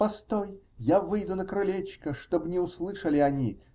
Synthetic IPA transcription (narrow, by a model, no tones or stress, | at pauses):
pɐst̪oj | javɨjd̪ʊnəkɾɐlʲet͡ɕkəʂt̪obnʲɪʊslˠɨʂəlʲɪɐnʲi